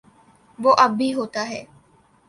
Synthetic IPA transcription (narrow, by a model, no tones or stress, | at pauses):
ʋoːʔɐbːiɦoːt̪aɦɛː